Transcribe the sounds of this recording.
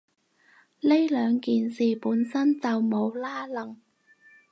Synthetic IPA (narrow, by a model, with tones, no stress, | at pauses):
le˥jlœː˨˧ŋkiː˨nsiː˨puː˨˥nsɐ˥nt͡sɐ˨wmo˨˧wlaː˥lɐ˨˩ŋ